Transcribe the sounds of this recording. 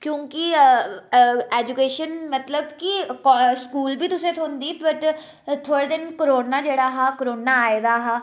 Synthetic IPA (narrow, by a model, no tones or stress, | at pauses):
kjõːki | eːd͡ʒukeːʃənmət̪ləbkikɔskuːlbʱiːt̪ʊsẽt̪ʰoːnd̪iːbəʈ | t̪ʰoːɽeːd̪ɪnkəɾoːnaːd͡ʒeːɽaːɦaːkəɾoːnaːed̪aːɦaː